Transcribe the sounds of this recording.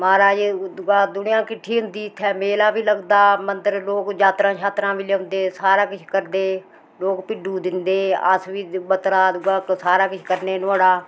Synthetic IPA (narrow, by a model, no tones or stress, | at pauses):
maːɾaːd͡ʒd̪ʊɡaːd̪ʊnɪjãːkɪʈʰːiːɦʊ̃nd̪iːt̪ʰːɛːmeːlaːbiːləɡd̪aːmənt̪əɾloːkd͡ʒaːt̪ɾãːt͡ʃʰaːt̪ɾãːmɪleːɦʊ̃nd̪eːsaːɾaːkɪt͡ʃʰkəɾd̪eː | loːkpɪɖuːd̪ɪnd̪eːə̰sʋiːbət̪ɾaːd̪ʊɡaːsaːɾaːkɪt͡ʃʰkəɾneːnʊaːɽaː